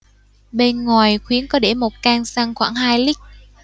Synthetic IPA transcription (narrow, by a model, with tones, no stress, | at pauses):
ɓe˧nŋwaː˨˩jxwi˨˦ənkɔ˨˦ɗe˧˩mo˨˩t̚kaː˧ŋsa˧ŋxwa̰ː˧˩ŋɦaː˧jli˦˥k̚